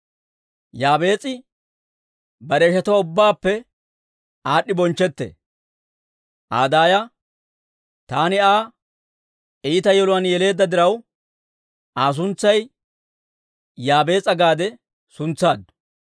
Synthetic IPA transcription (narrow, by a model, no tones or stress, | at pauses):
jaːbe̞ːt͡sʼɪ | bɐɾeːʃɐt̪ɐwaʊbːaːpːɛ | aːɗːɪbɔnt͡ʃːɛt̪ːḛ | ʔa̰ːd̪aːjɐ | t̪aːnɪaː | iːɪt̪ɐjɔlʊwɐnjɛle̞ːd̪ːɐd̪ɪɾɐw | aːs̬ʊnt͡sːɐj | jaːbe̞ːt͡sʼɐɡaːd̪ɛ | sʊnt͡sːaːd̪ʊ̥